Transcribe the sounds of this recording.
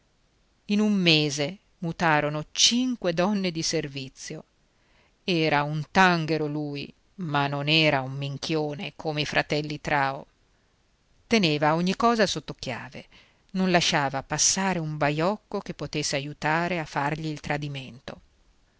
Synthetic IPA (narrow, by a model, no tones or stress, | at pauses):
inumːeːze | mut̪aːɾonot͡ʃiŋkwed̪ɔnːed̪iservit̪sːjo | ɛːɾaunt̪aŋɡeɾoluːj | manːonɛːɾaumːiŋkʰjoːnekʰoːmeifɾʔat̪ɛlːit̪ɾaːo̰ | t̪eneːvaoɲːikːɔːzasot̪ːokja̰ːvḛ | nonlaʃːaːvapasːaːɾeuɱbajɔkːokepːot̪esːeajut̪aːɾeafːarʎiːlt̪ɾad̪iment̪o̰